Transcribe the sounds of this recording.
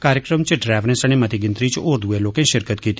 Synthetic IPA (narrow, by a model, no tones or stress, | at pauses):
kaːɾjəkɾəmt͡ʃəɖɾɛːʋnẽsəɽ̃ẽmɐt̪iɡɪ̃nt̪ɾit͡ʃʊːɾd̪ʱueloːkẽʃɪɾkət̪kiːt̪